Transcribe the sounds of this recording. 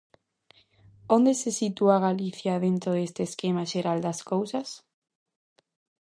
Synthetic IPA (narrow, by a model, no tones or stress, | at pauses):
ond̪esesit̪uaɣaliθjaðent̪ɾoðest̪eːskemaʃeɾald̪askowsas